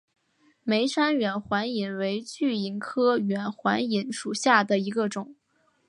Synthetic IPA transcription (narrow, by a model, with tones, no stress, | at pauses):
me˧˥ɪʂa˥nɥɛ˨˩nxwa˧˥ni˨˩nwe˧˥ɪt͡ɕy˥˩i˧˩nkʰɤ˥ɥɛ˨˩nxwa˧˥ni˧˥nʂu˨˩ɕja˥˩d̪ə˩i˧˥ɡə˧ʈ͡ʂʊ˨˩˦ŋ